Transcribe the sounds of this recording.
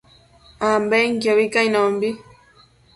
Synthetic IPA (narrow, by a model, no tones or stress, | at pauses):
ambɛŋkjɔβikainɔmbi